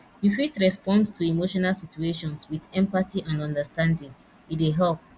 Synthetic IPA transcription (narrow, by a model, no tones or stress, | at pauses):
jufitɹɛspɔ̃ndtʰuimoʃɔnalˠsit͡ʃueʃɔ̃nswiðɛ̃mpatiʔãnɔ̃ndəstãndɪ̃ŋ | iteɦɛlp̚